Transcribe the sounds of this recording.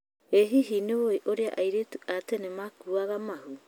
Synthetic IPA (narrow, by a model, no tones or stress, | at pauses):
eɦiɦinoβojʔoɾea̰ʔajɾetuaːtenemakuaɡamahu